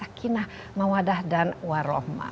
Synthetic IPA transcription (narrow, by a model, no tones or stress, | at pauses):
akʰinah | mawadahdanwaɾɔhma̰